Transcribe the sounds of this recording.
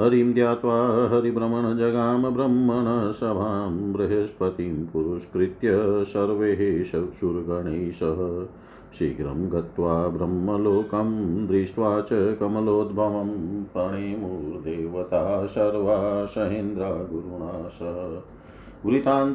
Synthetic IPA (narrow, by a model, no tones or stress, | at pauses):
ɦɐɾimd̪jaːt̪ʋaːɦɐɦɐɾibɾɐmɐɳɐd͡ʒɐɡaːmɐbɾɐmːɐɳɐsɐbʱaːmbɾɐɦɐʃpɐt̪impuɾuʃkɾit̪jɐsɐɾʋeːɦeʃɐʃuɾɡɐɳeːʃɐɦɐ̆ | ʃiɡɾɐ̰mɡɐt̪ʋaːbɾɐmːɐloːkɐmd̪ɾiʃʋaːt͡ʃɐkɐmɐloːd̪̚bʱɐʋɐmpɾɐɳeːmuːɾd̪eːʋɐt̪aːsɐɾʋaːsɐɦend̪ɾaːɡuɾuɳaːʃɐɦ | ʋɾit̪aːn